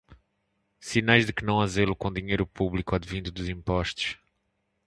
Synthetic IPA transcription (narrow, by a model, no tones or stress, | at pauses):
sinajʒðɨkɨnɐ̃w̃ɐzelˠukõd̪iɲejɾupuβlˠikuɐd̪vĩnd̪ud̪uzĩmpɔʃt̪u̥ʃ